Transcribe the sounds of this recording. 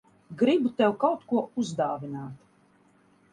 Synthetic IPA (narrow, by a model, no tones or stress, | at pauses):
ɡɾibut̪ɛwkawt̪kuɔuzd̪aːvinaːt̪